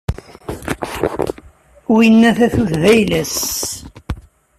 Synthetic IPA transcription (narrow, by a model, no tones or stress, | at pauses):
uənːæθæθuθðæjlæs